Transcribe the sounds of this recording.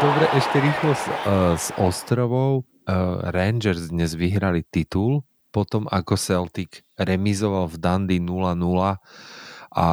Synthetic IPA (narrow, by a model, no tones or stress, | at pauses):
d̪ɔbɾɛʔɛʃcɛɾiːxlɔsz̥ɔst̪ɾɔʋɔʊ | ɾɛnd͡ʒɛɾzd̪ɲɛzʋiɦɾalit̪it̪ul | pɔt̪ɔmʔakɔsɛlt̪ikɾɛmizɔʋalvd̪and̪inulanula | ʔa̰